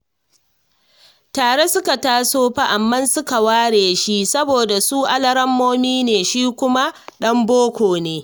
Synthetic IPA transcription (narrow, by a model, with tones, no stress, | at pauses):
taː˨ɽe˦sʊ˦ka˨taː˦soː˦ɸa˦ʔa˨mːɐ˦nsʊ˦ka˨waː˦ɽeː˨ʃi˦sɐ˦boː˨da˨suː˦ʔa˦lɐ˦ɾɐ˦mːoː˦miː˦neː˨ʃiː˦kʷʊ˦ma˦ɗɐ˦mboː˦kʷoː˨neː˦